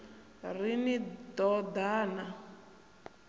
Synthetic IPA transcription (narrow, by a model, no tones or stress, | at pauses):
rinid̪ɔd̪aːna